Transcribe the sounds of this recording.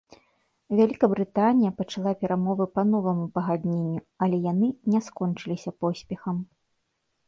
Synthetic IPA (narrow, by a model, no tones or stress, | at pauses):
vʲalʲikɐbɾɨt̪anʲijɐpɐt͡ʂalˠapʲɛɾamɔvɨpɐnɔvɐmupɐɣad̪ʲnʲenʲːu | ɐlʲɛjanɨnʲɛskɔnt͡ʂɨlʲisʲɐpɔsʲpʲɛxɐm